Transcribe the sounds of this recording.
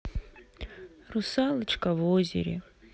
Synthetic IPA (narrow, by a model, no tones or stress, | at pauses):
rusalɨt͡ʃʰʼkʼavozʲḛɾʲḛ